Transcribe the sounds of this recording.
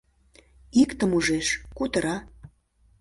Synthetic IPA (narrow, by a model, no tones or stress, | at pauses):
ikt̪əmuʒeʃkut̪əɾɑ